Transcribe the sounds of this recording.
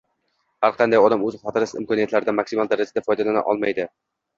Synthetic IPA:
haɾqʰɑnd̪ajɒd̪amɵzɪχɒt̪ɪɾɪsɪ̰mkʰɒnijat̪laɾɪd̪amaksimalˠd̪aɾad͡ʒad̪afɒjd̪alana̰ʔɒ̰lˠmajd̪ɪ

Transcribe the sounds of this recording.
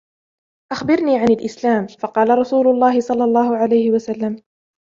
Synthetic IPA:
ʔaxbɪɾniːʕanalʔɪslaːmfɑqɑːlaɾˤɑsuːlʊlˤːɑːhɪsˤɑlːɑlˤːɑːhʊʕalajhɪwasalːam

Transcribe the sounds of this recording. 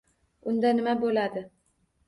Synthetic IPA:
ʊnd̪anɪmabolad̪ɪ

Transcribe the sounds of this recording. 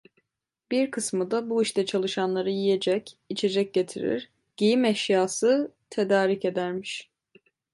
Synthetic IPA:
b̥iɾkʰɯsmɯd̪abuiʃt̪ɛt͡ʃʰalˠɯʃanlˠaɾɯjije̞d͡ʒɛcit͡ʃʰe̞d͡ʒɛc̚ɟe̞t̪ʰḭɾḭɾ | ɟ̥ejimɛʃjaːsɯt̪ʰe̞d̪aːɾice̞d̪æɾmiʃ

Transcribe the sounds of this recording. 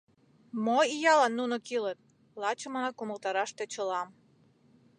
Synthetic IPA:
moijɑlɑnːunokilet̪̚ | lɑt͡ɕə̆mɑnɑkuməlt̪ɑɾɑʃt̪et͡ɕəlɑm

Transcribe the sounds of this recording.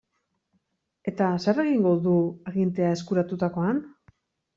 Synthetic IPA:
e̞t̪asare̞ɣiŋɡo̞ðuaɣint̪e̞ae̞skuɾat̪ut̪ako̞an

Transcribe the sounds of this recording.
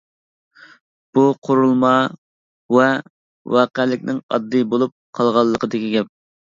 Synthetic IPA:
b̥uqʰoɾulˠmɑ | wɛ | wɑːqælɪkʲnɪŋɑ̰d̪ːɨbolˠup̚qʰɑlˠʁɑlˠːəqʰəd̪ɪkʲiɡʲɛp̚

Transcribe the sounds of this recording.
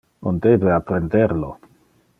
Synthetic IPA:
ond̪ebeapɾend̪eɾlo̰

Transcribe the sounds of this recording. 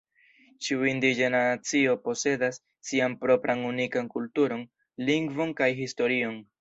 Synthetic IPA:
t͡ʃiuindid͡ʒenaat͡sio̞po̞se̞dasː | ianpɾo̞pɾʔanunikaŋkultuɾo̞n | liŋɡvo̞nkajɦisto̞ɾio̞n

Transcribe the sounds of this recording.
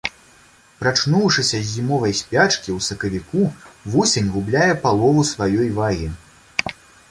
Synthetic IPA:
pɾat͡ʂnuwʂɨsʲɐzʲːimɔvɐjsʲpʲat͡ʂkʲiwsɐkɐvʲikuvɔsʲenʲɣublʲajɛpalˠɔvusvajɔjvaɣʲi

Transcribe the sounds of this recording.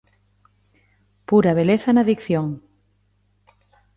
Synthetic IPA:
puɾaβ̞eleθanaðikθjoŋ

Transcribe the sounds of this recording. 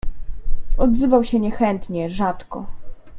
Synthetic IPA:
ɔd̪zɘvawɕɛɲɛxɛnt̪ɲɛʐat̪kɔ

